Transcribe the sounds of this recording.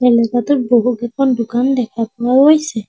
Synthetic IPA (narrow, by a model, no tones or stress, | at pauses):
ɛlɛɡat̪uɹboɦukɛkʰɔndukandɛkʰapɔwalojsɛ